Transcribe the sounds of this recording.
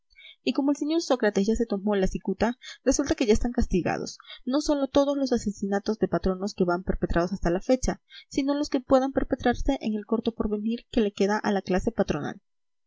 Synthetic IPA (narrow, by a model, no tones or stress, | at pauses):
iko̞moe̞lseɲo̞ɾso̞kɾat̪ezʝase̞t̪o̞mo̞lasikut̪are̞sult̪ake̞ʝaest̪aŋkast̪iɣa̰ð̞o̞̰sno̞so̞lo̞t̪o̞ð̞o̞zlo̞sase̞sinat̪o̞zðe̞pat̪ɾo̞no̞ske̞βampe̞ɾpe̞t̪ɾað̞o̞s̬ast̪alafe̞t͡ʃasino̞loske̞pwe̞ðampe̞ɾpe̞t̪ɾaɾse̞ʔḛŋe̞lko̞ɾt̪o̞po̞ɾβe̞niɾke̞le̞ke̞ðaʔalaklase̞pat̪ɾo̞na̰l